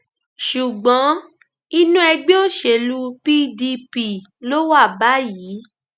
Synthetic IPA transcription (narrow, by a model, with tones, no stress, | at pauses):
ʃu˨ɡ͡bɔ̃˨˦ | i˧˦nũ˦ɛ˧ɡ͡be˦o˦˨ʃe˨lu˦˧pi˦di˧pi˦˨ | lo˦wa˦˨ba˨˦jiː˨˦